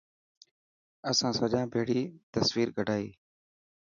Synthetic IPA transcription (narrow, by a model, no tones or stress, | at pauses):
əsãːsəd͡ʒãːbʱeːɽiːt̪əsʋiːɾɡʱəɖʱaːḭː